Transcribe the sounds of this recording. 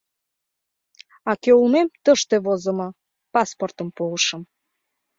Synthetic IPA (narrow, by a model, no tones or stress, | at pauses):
ɑkøumemt̪əʃt̪eβozə̆mɤ̆ | pɑsport̪əmpoəʃə̆m